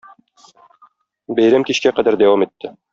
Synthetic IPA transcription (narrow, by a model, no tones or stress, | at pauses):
bæjɾæmkiɕkæqæd̪æɾd̪æwɑmit̪ʰːɘ